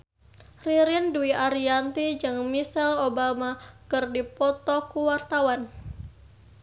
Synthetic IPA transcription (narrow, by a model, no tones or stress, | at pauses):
riɾinduiaɾiant̪id͡ʒɨŋmisɛlobamakɨrdipɔt̪ɔkuwart̪awan